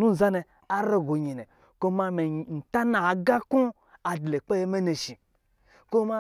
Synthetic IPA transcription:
nu˦n̩˨za˦ne˨ | a˦ɾe˦ɡo˨ɲi˨ne˨ | ko˦ma˧me˨n̩˨ta˦na˨ɡa˦ku˦ | a˨dle˨k͡pe˦je˦me˦ne˨ʃi˨ | ko˦ma˦

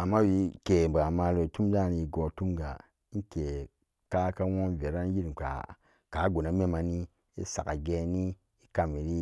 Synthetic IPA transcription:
a˨mːa˦wi˨˦ke˨ba˨ma˨lo˨i˨tu˦m˦da˦˨ni˨i˨ɡo˨tu˦mɡa˨ | i˦n˦ke˨ | ka˦ka˦wo˦nve˨ɾa˦n˦ji˦ɾi˨ka̰˨ | ka˨˦ɡo˨na˦me˦ma˨ni˦ | i˦sa̰˨ka˨ɡe˨ni˦ | i˦ka˨mi˨ɾi˦

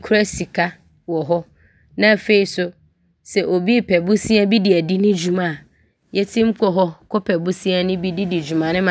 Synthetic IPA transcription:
kʰʊ˦ɾɛ˦si˨kʰa˦ | wɔ˨ɦɔ˦ | nã˦˨fe˨i˨sʊ˦ | sɛ˨ʔo˨bi˦˨pʰɛ˨bu˦sĩ˦a˦bi˦di˨æ˨di˦nʊ̃˦d͡ʑu˨mã˨ | jɛ˦tʰĩ˦m̩˦kʰɔ˨ɦɔ˦kʰɔ˦pʰɛ˨bʊ˦si˦a˦nʊ̃˦bi˦di˦di˨d͡ʑᶣu˨mã˨nɪ̃˦mã˨

